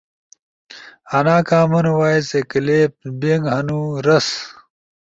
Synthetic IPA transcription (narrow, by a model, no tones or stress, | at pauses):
ɐnaːkaːmɐnowaːisekileːp̚beŋɡɦɐnuːɾɐs